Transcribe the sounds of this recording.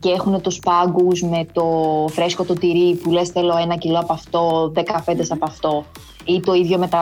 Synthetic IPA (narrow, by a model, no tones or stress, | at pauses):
ceexune̞t̪uspɐɡuzme̞t̪o̞fɾe̞sko̞t̪ot̪iɾipule̞sθelo̞enɐciloɐpɐft̪o̞ðekɐpend̪esɐpɐft̪o̞ | it̪o̞iðʝo̞me̞t̪ɐ